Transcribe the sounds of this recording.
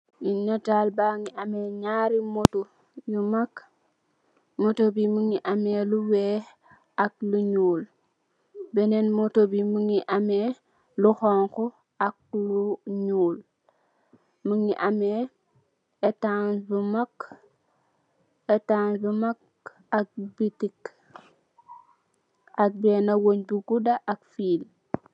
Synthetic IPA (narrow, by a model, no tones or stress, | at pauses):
inatalbaŋiʔameɲaːɾimotu | jumak | motobiməŋiʔameluwɛ | ak̚luɲuːl | bɛnɛnmotobimuŋiʔame | luxɔŋkɔ | ak̚luɲuːl | muŋiʔame | etaŋd͡ʒumak | etaŋzumak | ak̚bitik | ʔak̚benawoɲbuɡudaʔak̚fiːl